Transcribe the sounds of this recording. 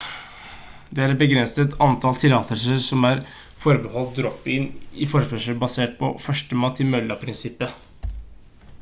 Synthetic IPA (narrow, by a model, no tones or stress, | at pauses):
d̪ɛæɾɛbəɡɾɛnsət̪ɑnt̪ʰɑlt̪ʰɪlɑːt̪ʰəʂəsɔmæɾ | fɔɾbəhɔlt̪̚d̪ɾɔp̚bɪnɪfɔɾəpɛʂəbɑseːʈ̚pʰɔ̰fœʂʈəmɑt̪ʰːɪmœlːɑpʰɾɪnsɪpːə